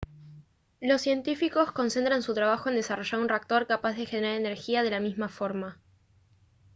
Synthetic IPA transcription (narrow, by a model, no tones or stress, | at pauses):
lo̞sːje̞nt̪ifiko̞sko̞nse̞nt̪ɾansut̪ɾaβ̞axo̞e̞nd̪e̞saro̞ʒaɾunrak̚t̪o̞ɾkapazðe̞xe̞neɾaɾene̞ɾxiað̞e̞lamizmafo̞ɾma